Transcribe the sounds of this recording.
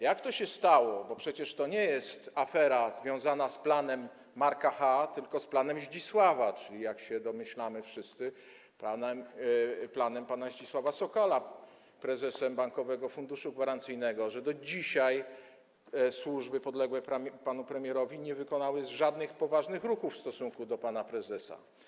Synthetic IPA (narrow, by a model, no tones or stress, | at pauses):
jakt̪ɔɕɛst̪awɔbɔpʂɛt͡ɕɛʂt̪ɔɲɛjɛst̪afɛɾazvʲjɔ̃w̃zanasplanɛmː | aɾkaxat̪ɘlkɔsplanɛmʑd͡ʑiswavat͡ʂɘlʲijakɕɛd̪ɔmɘɕlamɘfʂɘst̪sɘ | panɛmplanɛmpanaʑd͡ʑiswavasɔkɔla | pɾɛzɛsɛmbaŋkɔvɛɡɔfund̪uʂuɡvaɾant̪sɘjnɛɡɔʐɛd̪ɔd͡ʑiɕaj | swuʐbɘpɔd̪lɛɡwɛpɾapanupɾɛmʲjɛɾɔvʲiɲɛvɘkɔnawɘzʐad̪nɘxpɔvaʐnɘxɾuxufst̪ɔsuŋkud̪ɔpanapɾɛzɛsa̰